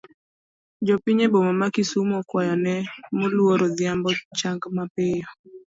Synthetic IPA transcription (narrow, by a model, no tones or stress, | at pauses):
d͡ʒɔpiɲebomamakisumɔkwajanɛmolwoɾod̪jambɔt͡ʃaŋɡmapejɔ